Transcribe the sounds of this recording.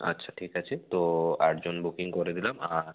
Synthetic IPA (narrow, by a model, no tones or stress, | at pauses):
a̰tːɕʰaʈʰikat͡ɕʰet̪oaʈd͡ʑonbukiŋkoɾed̪ilamaɾ